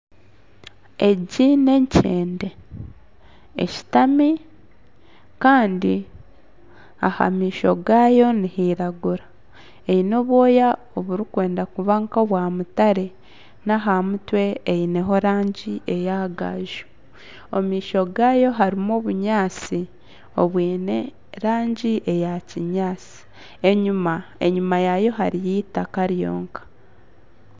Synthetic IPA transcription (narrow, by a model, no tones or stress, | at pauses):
eɟine̞ɲcʰeːnde̞ | ḛci̥tami | kaːndi | aha̰miːʃo̞̰ɡaːjo̞nihiɾaɡuɾa | eino̞ːβwo̞ːja | oβuɾikwe̞ːndakuβaŋkoβwaːmutaɾe̞ | naɦamutwe̞ːine̞ɦo̞ɾaːɲɟiʔe̞jaɡa̰ʒu̥ | omiːʃo̞ɡaːjo̞ɦaɾimoːβuɲaːt͡si | o̞βwiːne | ɾaːɲɟiʔejaciɲaːt͡si̥ | eɲumaḛɲumajajo̞ɦaɾijitakaɾjo̞̰ːŋkḁ